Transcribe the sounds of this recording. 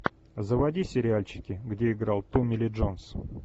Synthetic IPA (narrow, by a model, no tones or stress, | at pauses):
zəvɐdʲisʲɪɾʲɪalʲt͡ɕɪ̥kʲɪɡdʲe̞ɪɡɾalˠt̪umʲɪlʲɪʐons